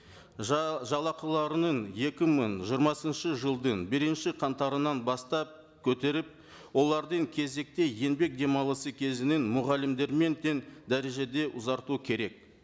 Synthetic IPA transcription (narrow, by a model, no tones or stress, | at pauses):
ʒɑlˠɑqəlˠɑɾənəɴje̞kʲɪməɴʒijəɾmɑsənʃəʒəlˠd̪əɴbɪɾɪnʃɪqʰɑnt̪ɑɾənɑnbɑst̪ɑp̚ | kʲʰɵt̪e̞ɾɪp̚ | wo̞lˠɑɾd̪əɴkʲʰe̞ze̞k̚t̪e̞je̞nbe̞k̚d̪e̞mɑlˠəsəkʲʰe̞zɪnɪnmʊʁɑlːɪmd̪e̞ɾme̞nt̪e̞nd̪æɾe̞ʒe̞d̪e̞ʔʊzɑɾt̪ukʲʰe̞ɾe̞k̚